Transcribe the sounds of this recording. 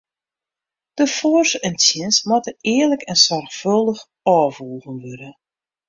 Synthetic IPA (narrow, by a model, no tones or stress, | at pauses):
d̥əfɔrsɛntjɪnsmatəɪːərləkɛnsɔrxfølˠdəx | ɔːvulˠɣənʋødə